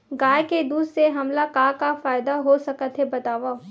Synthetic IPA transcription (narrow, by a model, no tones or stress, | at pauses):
ɡaːjked̪uːd̪seɦɐmlakaːkafaːɪd̪aɦosɐkət̪ɦebɐt̪aːʋa